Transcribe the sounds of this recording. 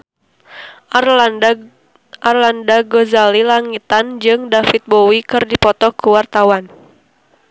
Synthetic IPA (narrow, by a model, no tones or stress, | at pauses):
ʔarlandaɡɔzalilaŋit̪and͡ʒɨŋdafit̪̚bowikɨrdipɔt̪ɔkuwart̪awan